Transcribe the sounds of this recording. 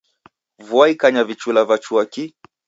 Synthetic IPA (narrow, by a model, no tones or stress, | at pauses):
vuaikaɲavit͡ʃulavat͡ʃuaki